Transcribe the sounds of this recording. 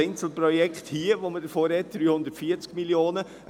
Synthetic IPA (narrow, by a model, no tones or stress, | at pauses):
ɛɪnsl̩pɾɔjɛkχthiːəʋomədəfoːɾhɛt̚d̥ɾyːhʊnd̪ətfiːət͡skmiljoːnə